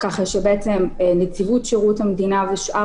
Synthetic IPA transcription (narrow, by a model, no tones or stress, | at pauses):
kaχaʃebeet͡semnet͡sivutʃeʁuthamed̪inaveʃʔa